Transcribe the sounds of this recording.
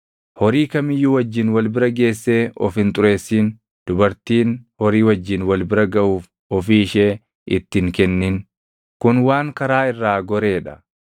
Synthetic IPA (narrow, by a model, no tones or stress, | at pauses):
hɔɾiːkɐmɪjːʊwɐd͡ʒːɪnwɐlbɪɾɐɡe̞ːsːe̞ːɔ̰fhɪnt̪ʼʊɾe̞ːsːiːn | d̪̥ʊbɐɾt̪iːnhɔɾiːwɐd͡ʒːɪnwɐlbɪɾɐɡɐʔuːf | ɔfiːɪʃeː | ɪ̰t̪ːɪŋkɛnːɪn | kʊnwaːŋkɐɾaːɪrːaːɡɔɾe̞ːᶑɐ̥